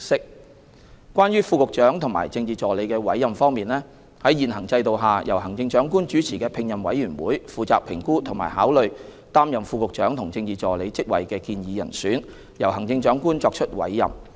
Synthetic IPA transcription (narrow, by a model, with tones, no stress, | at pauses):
sɪ˥k̚ | kːʷaː˥nɥyː˥fuː˧kʊ˨k̚t͡ʃœː˨˥ŋt̪ʰʊ˨˩ŋma̰ː˨˩jt͡sɪ˧ŋt͡siː˨˩t͡sɔː˨le˨˥jkɛː˧wɐ̰˨˥jːɐ˨mfɔː˥ŋmiː˨nlɛː˥ | hɐ˨˥jiː˨nɦɐ˨˩ŋt͡sɐ˧jt̪o˨wɦaː˨jʔɐ˨˩whɐ˨˩ŋt͡sɪ˧ŋt͡ʃœː˨˥ŋkuː˥nt͡ʃyː˨˥t͡sʰiː˨kɛː˧pʰɪ˨˧ŋjɐ˨mwɐ̰˨˥jyː˨˩nwuː˨˥jfuː˨t͡saː˨k̚pʰɪ˨˩ŋkuː˥t̪ʰʊ˨˩ŋma̰ː˨˩jɦaː˨˥wlɵ˨ɥ | t̪aː˥mjɐ˨˩mfuː˧kʊ˨k̚t͡ʃœː˨˥ŋt̪ʰʊ˨˩ŋt͡sɪ˧ŋt͡siː˨t͡sɔː˨le˨˧jt͡sɪ˥k̚wɐ̰˨˩jkɛː˧kiː˧njiː˨˧jɐ̰˨˩nsyː˨˥n | jɐ˨˩whɐ˨˩ŋt͡sɪ˧ŋt͡ʃœː˨˥ŋkuː˥nt͡sɔː˧k̚t͡ʃʰɵ˥t̚wɐ̰˨˥jːɐ̰˨m